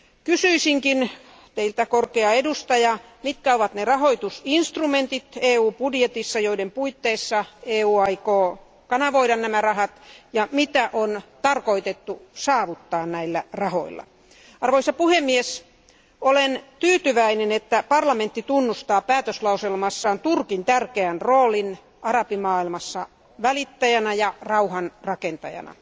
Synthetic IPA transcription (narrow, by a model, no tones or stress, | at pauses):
kysyisiŋkin | t̪eilt̪ækorkeɑedust̪ɑjɑ | mit̪kæoʋɑt̪nerɑhoit̪usinst̪rument̪it̪eːuːpudjet̪isːɑjoidempuit̪ːeisːɑeːuːɑikoː | kɑnɑʋoiɾɑnnæmærɑhɑt̪jɑmit̪æʔont̪ɑrkoit̪et̪ːusɑːʋut̪ːɑːnnæilːærɑho̰ilːɑ̰ | ɑrʋoisɑpuhemːies | olent̪yːt̪yʋæinenet̪ːæpɑrlɑment̪ːit̪unːust̪ɑːpæːt̪øslɑuselmɑsːɑːnt̪urkint̪ærkeænroːlin | ʔɑrɑpimɑːilmɑsːɑ | ʋælit̪ːæjænɑjɑrɑuhɑnrɑkent̪ɑ̰jɑ̰nɑ̰